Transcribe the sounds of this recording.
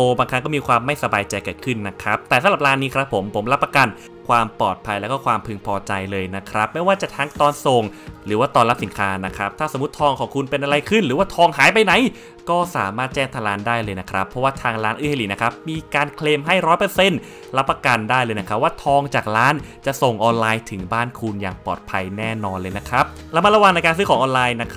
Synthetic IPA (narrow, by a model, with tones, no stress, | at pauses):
ʔoː˧baː˧kʰa˦˥ŋkɔ˥˩miː˧kʰwaː˧mːa˥˩jsa˧baː˧jt͡ɕa˧jkaː˨˩kʰɯ˥˩nːa˦˥kʰɾa˦˥p̚t̪ɛː˨˩sa˨˦mla˨˩plaː˦˥nːiː˦˥kʰɾa˦˥pʰːo˩˦mpʰo˩˦mla˦˥pːa˧kaː˧n | kʰwaː˧mpɔː˨˩t̪̚pʰa˧jlɛ˦˥wkɔː˥˩kʰwaː˧mpʰɯ˧ŋpʰɔː˧t͡ɕa˧jlɤː˧jna˦˥kʰɾa˦˥p̚ma˥˩jwaː˥˩t͡ɕa˨˩t̪ʰaː˦˥ŋt̪ɔː˧nso˨˩ŋɾɯː˩˦waː˥˩t̪ɔː˧nla˦˥p̚si˩˦nkʰaː˦˥na˦˥kʰɾa˦˥p̚t̪ʰaː˥˩so˩˦mː˦u˦˥t̪ʰːɔː˧ŋkʰɔː˩˦ŋkʰu˧npe˧nʔa˧ɾa˧jkʰɯ˥˩nɾɯː˨˦waː˥˩t̪ʰɔː˧ŋɦaː˨˦jpa˧jna˨˩˦j | kɔː˥˩saː˩˦maː˥˩t̪̚t͡ɕɛː˥˩ŋt̪ʰaː˧laː˦˥ndaː˥˩jlɤː˧jna˦˥kʰɾa˦˥pʰːɔ˦˥waː˥˩t̪ʰaː˧ŋɾaː˦˥nʔɯː˧˥˩ha˧liː˨˩na˦˥kʰɾa˦˥p̚miː˧kaː˧nkʰleː˧mɦa˥˩jɾɔː˦˥jpɤː˧se˧˥˩n | la˦˥pːa˧ka˧ndaː˥˩jlɤː˧jna˦˥kʰɾa˦˥p̚waː˥˩t̪ʰɔː˧ŋt͡ɕaː˨˩k̚laː˦˥nt͡ɕa˨˩ʔso˨˩ŋʔɔː˧nlaː˧jt̪ʰɯ˩˦ŋbaː˥˩nkʰu˧nja̰ː˨˩ŋpɔː˨˩t̪̚pʰa˧jnɛː˥˩nɔː˧nlɤː˧jna˦˥kʰɾa˦˥p̚ | la˧ma˧la˧wa˨˩ŋna˧jkaː˧ns̬ɯː˦˥kʰɔː˨˩˦ŋʔɔː˧laː˧jna˦˥kʰ